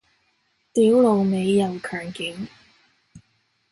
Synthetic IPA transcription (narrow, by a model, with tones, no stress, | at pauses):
t̪iː˨˥wlo˨wme˨˧jːɐ˨˩wkʰœː˨˩ŋkɪ˨˥ŋ